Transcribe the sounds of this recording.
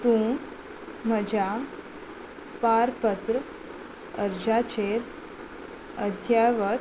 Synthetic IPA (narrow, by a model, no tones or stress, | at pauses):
t̪ũː | m̤əd͡ʑa | paɾpət̪ɾə | əɾd͡ʑat͡ɕet̪ | əd̪ʱjaʋə